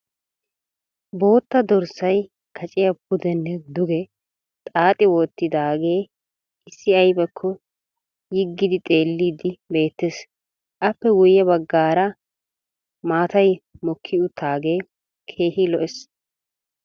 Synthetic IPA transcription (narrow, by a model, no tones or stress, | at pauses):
bo̞ːt̪ːɐd̪ɔɾsɐj | kʰɐt͡ʃʼɪjɐpʊd̪ɛnːɛd̪ʊɡɛ | t̪ʼaːt̪ʼɪwoːt̪ːɪd̪aːɡe̞ː | ɪsːɪɐjbɛkʰːɔ | jɪɡːɪd̪ɪt̪ʼe̞ːlːiːd̪ɪbe̞ːt̪ːes | ʔɐpːɛwʊjːɐbɐɡːaːɾɐ | maːt̪ɐjmɔkʰːɪʊt̪ʰːaːɡe̞ː | kʰeːhɪlɔʔɛs